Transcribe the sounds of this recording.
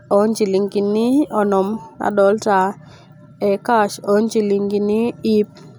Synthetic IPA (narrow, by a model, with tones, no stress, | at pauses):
ɔ˨˦nd͡ʒi˨li˨ŋɡi˨nɪ˦ɔ˨nɔ˨ma̰˨dɔ˨˦lta˨ | ɛ˨ka˦ʃɔ˨˦nd͡ʒi˨li˨ŋɡi˨nɪ˦i˦p̚